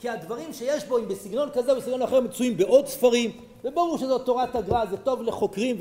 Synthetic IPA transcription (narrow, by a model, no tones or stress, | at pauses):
kiad̪vaʁimʃejeʃbo̞imbesiɡno̞nkazebesiɡno̞naχe̞ʁmet͡suimbeʔo̞d̪sfaʁim | vebaʁuʁʃezo̞to̞ʁataɡʁazeto̞vle̞χo̞kʁimv